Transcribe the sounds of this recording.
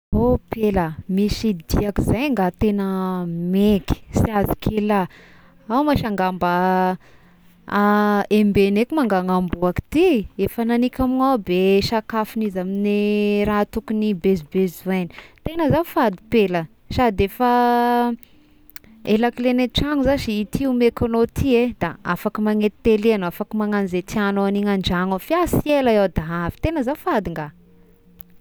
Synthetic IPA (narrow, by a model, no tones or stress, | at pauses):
opeləmisid̪iakizajŋɡat̪enəmeki̥siazi̥kʰela | awmaʃaŋɡambə | aembenekimaŋɡaŋambuaki̥t̪iefananikʲaminabeʃakafinizamineɾat̪ukunibezibezueni̥t̪enəzaufad̪ipelə | sad̪efə | elakleneʈ͡ʂaŋuzaʃiit̪iumekonot̪ʰied̪a̰a̰fakimaŋet̪i̥t̪eleanafakimaŋanizet̪ianoaniŋaɳd͡ʒaŋofiasielaewd̪aɦavi̥t̪enəzaufad̪iŋɡa